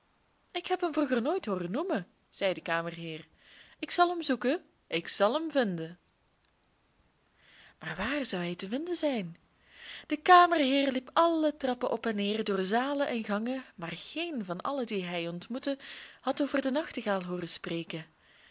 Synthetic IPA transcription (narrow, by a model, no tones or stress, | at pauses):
ɪkɦɛpɦəmvruɣərnoːjtɦoːrənumə | z̥ɛjdəkaːmərɦɪːr | ɪksɑlˠɦəmzukə | ʔɪksɑlˠɦəmvɪndə | maːrʋaːrzɑwɦɛjtəvɪndəzɛjn | d̥əkaːmərɦɪːrlipɑlətrɑpəʔɔpɛnːeːrdoːrzaːlənʔɛnɣɑŋəmaːrɣejnvɑnʔɑ̰lədiɦɛjɔntmutəhɑtoːvərdənɑxtəɣaːlˠɦoːrəspreːkən